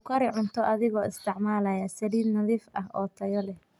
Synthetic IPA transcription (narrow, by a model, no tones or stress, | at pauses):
kʰɐɾɪʕʊnt̪ʰɔʔɐðɪɣɔːɪst̪ʰɪʕmaːlɐjɐsɐliːd̪nɐðiːfʔɐhʔɔːt̪ʰɐjɔlɛh